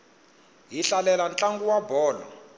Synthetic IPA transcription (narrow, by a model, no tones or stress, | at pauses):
ɦiɬalɛlant͡ɬʼaŋɡuwabɔːlɔ̰